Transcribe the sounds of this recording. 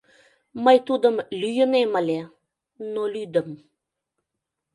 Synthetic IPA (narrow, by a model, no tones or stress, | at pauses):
məjt̪ud̪əmlʲyjə̆neməlʲe | nolʲyd̪ə̆m